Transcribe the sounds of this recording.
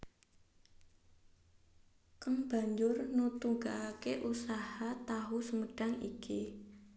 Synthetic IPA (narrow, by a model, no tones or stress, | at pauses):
kaŋb̥a̤ɲd͡ʒʊrnut̪uŋɡaʔakeʔusahat̪aɦusəməɖ̥a̤ŋḭki